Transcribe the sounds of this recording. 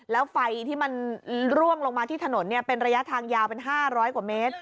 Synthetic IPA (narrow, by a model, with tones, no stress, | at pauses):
lɛː˦˥wfa˧jt̪ʰiː˥˩ma˧nɾu˥˩əŋlo˧ŋmaː˧t̪ʰiː˥˩t̪ʰa˧no˩˦nːi˥˩ɐpe˧nɾa˧ja˦˥ʔt̪ʰaː˧ŋjaː˧wpe˧nɦaː˥˩ɾɔː˦˥jkwu˨˩meː˦˥t̪̚